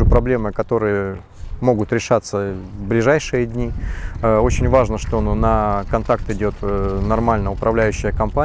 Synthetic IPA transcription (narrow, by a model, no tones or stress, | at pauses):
ɨpɾɐblʲe̞mɨkɐt̪o̞ɾɨjə | mo̞ɡʊt̪ɾʲɪʂat̪sːəvblʲɪʐajʂɨjədʲnʲi | ot͡ɕɪnʲvaʐnəʂt̪o̞nəkɐnt̪ak̚t̪ɪdʲo̞t̪nɐrmalʲnəʊpɾɐvlʲæjʉɕːɪjəkɐmpa